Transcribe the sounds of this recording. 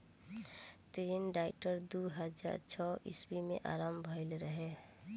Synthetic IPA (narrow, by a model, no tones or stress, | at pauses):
t̪ɾinɖaɪʈəɾd̪uɦəd͡ʒa̰ɾt͡ʃʰɔɪ̰sbimḛ̃ʔa̰ɾaːmbʱəɪlɾəɦe